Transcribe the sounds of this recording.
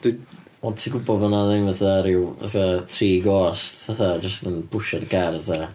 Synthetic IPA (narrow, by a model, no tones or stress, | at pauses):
d̥i | ɔtʰiɡʊbɔmanaðɪnvəθaɾɪwə̰θatʰriːɡɔːstaθad͡ʒəstənb̥ʊʃɛdɡaɾəθa